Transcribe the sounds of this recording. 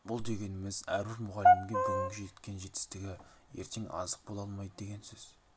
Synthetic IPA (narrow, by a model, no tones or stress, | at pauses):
bʊlˠd̪e̞ɡʲe̞nɪmɪzæɾwɪɾmʊʁɑlːɪmɡʲe̞bɵɡ̪ʲɪŋɡʲɪʒe̞t̪̚kʲe̞nʒe̞t̪ɪ̥st̪ɪɡʲɪ | jeɾt̪ʰe̞ŋɑ̰zəq̚bo̞lˠɑlˠmɑjd̪əd̪e̞ɡʲe̞nsɵz̥